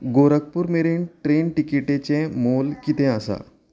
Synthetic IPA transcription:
ɡoɾək̚puːɾmeɾeɳʈɾeɳʈikiʈet͡ɕẽmolkit̪ɛ̃asa̰

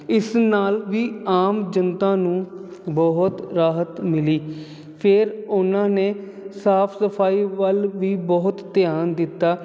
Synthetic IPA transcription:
ɪsnaːlʋiːaːmd͡ʒənt̪ãːnũːbɔɦʊt̪ɾaːɦət̪mɪliː | pʰɪɾʊnãːneː | saːpʰsəpʰaːiːʋəlʋiːbɔɦʊt̪ːɪjaːnd̪ɪt̪ːaː

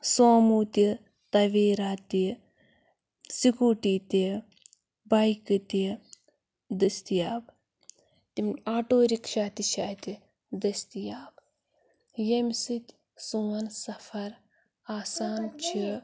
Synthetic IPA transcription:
soːmut̪i | t̪ɐʋeːɾaːt̪i | sikuːʈit̪i | bajkɨt̪i | d̪ɨst̪ijaːb | t̪imaːʈoːɾikʃaːt̪iʃaːt̪i | d̪ɐst̪ijaːb | jemʲsɨt̪ʲ | suːɐnsɐfɐɾ | aːsaːnt͡ʃʰi

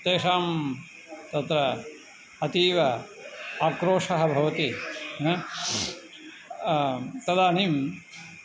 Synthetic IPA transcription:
t̪eːʂaːm | t̪ɐt̪ɾɐ | ɐt̪iːʋɐ | aːkɾoːʂɐɦɐbʱɐʋɐt̪i | t̪ɐd̪aːnim

